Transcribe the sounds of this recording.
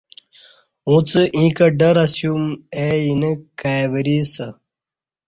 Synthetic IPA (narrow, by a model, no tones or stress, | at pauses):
ũt͡sɨʔĩːkɐɖɐɾɐsjumeinɐkaːjʋɐɾiːsɐ